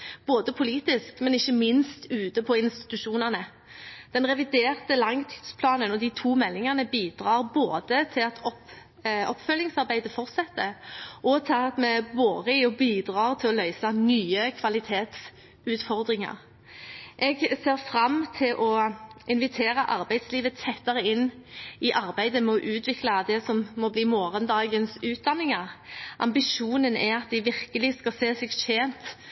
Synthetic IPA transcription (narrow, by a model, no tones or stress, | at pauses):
b̥oːd̪əpʰʊliːt̪ɪskmɛnɪçːəmɪnst̪ʉːt̪əpʰɔɪnst̪ɪ̥t̪ʉʃuːnəʁnə | d̪̥ɛnʁɛʋɪd̪eːʁt̪əlɑŋt̪ʰi̥ːd̪spʰlɑːnənɔd̪iːt̪ʰuːmɛlːɪŋəʁnəbiːd̪̥ʁɑːʁboːd̪ət̪ʰɪlɑt̪ʰɔp | ɔpːfœlːɪŋsɑɾbæɪd̪əfɔʁt̪sɛt̪ːəʔɔt̪ʰɑːɑt̪mɛboːd̪əɪɔbiːd̪ɾɑːʁt̪ʰɪlɔlœʏsɑnyːəkʰʋɑlɪt̪ʰeːt̪s | ʉːt̪fɔʁd̪ɾɪŋɑ̰ʁ | ʔɛɡseːɾfɾɑmːt̪ʰɪlʔɔʔɪnʋɪt̪ʰeːɾəʔɑɾbæɪd̪sliːʋət̪ʰɛt̪ːəɾəɪnːɪʔɑɾbæɪd̪əmɛɔʔʉːt̪ʰʋɪklɑd̪ɛsɔmmːɔbliːmoːʁənd̪ɑːɡənsʉːt̪̚d̪ɑnːɪŋɑʁʔɑ̰mbɪʃuːnənæɑt̪̚d̪ɪʋɪʁkəlɪskɑseːsɛɡʃeːnt̪